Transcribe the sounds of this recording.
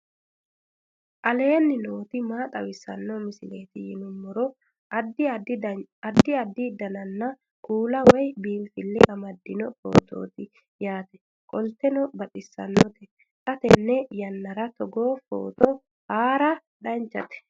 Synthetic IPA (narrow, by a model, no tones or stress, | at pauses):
ʔɐleːnːɪnoːt̪ɪmaːt̪ʼɐwɪsɐ̰nːɔmɪsɪleːt̪ɪjɪnʊmːɔɾɔ | d̪ɪd̪ɐd̪ːɪɐd̪ːɪd̪ɐnɐnːɐ | kuːlɐwɔjbiːmfɪlːɪʔɐmɐd̪ːɪnɔfo̰ːt̪ʰo̰ːt̪ɪ | jaːt̪ɛ̥ | kʼɔlt̪ɛnɔbɐtʼɪsːɐ̰nːɔt̪ɛ | t̪ʼɐt̪ɛnːɛjɐnːɐɾɐt̪ɔɡo̞ːfo̰ːt̪ɔ | haːɾɐ | ᶑɐnt͡ʃːɐt̪ɛ̥